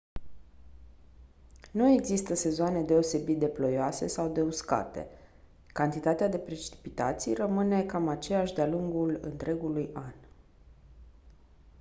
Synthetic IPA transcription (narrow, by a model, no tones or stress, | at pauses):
nue̞ɡzist̪əse̞zoane̞d̪e̞o̞se̞bit̪̚d̪e̞plo̞joase̞̰sawd̪e̞uska̰t̪e̞̰ | kant̪it̪at̪ead̪e̞pɾet͡ʃi̥pit̪a̰t̪sijrəmɨne̞kamat͡ʃe̞jaʃd̪ealuŋɡulɨ̰nt̪ɾe̞ɡulujan